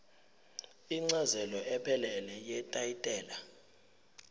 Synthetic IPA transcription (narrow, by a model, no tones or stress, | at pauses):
iŋ͡ǀazɛlɔɛpʰɛlɛlɛjɛtʼajitʼɛːla